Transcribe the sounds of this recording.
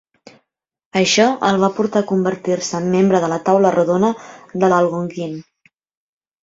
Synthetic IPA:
əʃɔəlˠβ̞apuɾt̪akumbəɾt̪irsəːmːembɾəðələt̪awləruðonəðəlalˠɣoŋɡin

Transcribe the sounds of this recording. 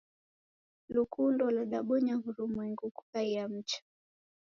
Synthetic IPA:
lukʰundɔlaɗaɓɔɲaɣuɾumwɛŋɡuku̥kaiam̩t͡ʃḁ

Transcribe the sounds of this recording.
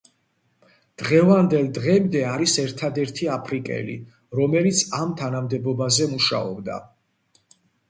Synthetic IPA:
d̪̥ʁɛvand̪ɛlˠd̪ʁɛmd̪ɛaɾisɛɾt̪ʰad̪ɛɾt̪ʰiapʰɾikʼɛ̰lḭ | ɾɔmɛlit̪sʰamt̪ʰanamd̪ɛbɔbazɛmuʃa̰ɔ̰bd̪a̰

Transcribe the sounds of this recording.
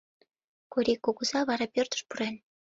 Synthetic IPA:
koɾʲikːoɣuzɑβɑɾɑpørt̪ə̥ʃpuɾen

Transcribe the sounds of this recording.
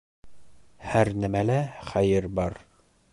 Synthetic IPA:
hæɾnæmælæχæjɘɾbɑɾ

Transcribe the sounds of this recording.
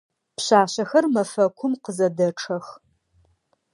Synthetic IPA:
pɕaːɕɐxɐrmɐfɐkʷʰʊmqəzɐdɐʈ͡ʂʰɐx

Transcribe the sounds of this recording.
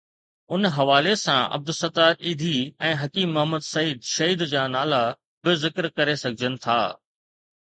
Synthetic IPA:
ʊnɦɐʋaːlesãɐ̰b̚d̪ʊsɐt̪aːɾiːd̪ʱiɛ̃ːɦɐkiːmːɐɦəməd̪sɐiːd̪ʃɐɦiːd̪d͡ʑaːnaːla | bɪzɪkɾkɐɾesɐɡʱɪd͡ʑənɪ̆t̪ʰa̰ː

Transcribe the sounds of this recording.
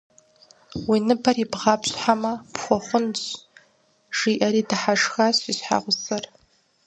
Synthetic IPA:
winɨbaribʁapɕʷħamapʰχʷaχʷʊnt͡ʃ | ʐiʔaɾidaħaʂxaɕiʃħa̰ʁʷʊsɨr

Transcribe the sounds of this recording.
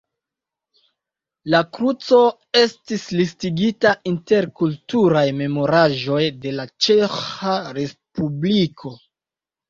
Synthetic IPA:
lakɾut͡so̞ | e̞stislistiɡitaʔinte̞ɾkultuɾajme̞mo̞ɾaʒo̞jde̞lat͡ʃe̞xaɾe̞spublikʰo̞

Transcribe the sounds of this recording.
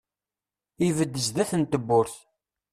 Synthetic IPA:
ivəd̪ːəzðæθənt̪əbːʊɾθ

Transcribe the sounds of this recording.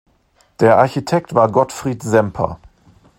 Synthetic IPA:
d̥eːɐʔaɐçitʰɛk̚tv̥aːɐɡɔtfʁ̥iːtzɛmpʰɐ̰

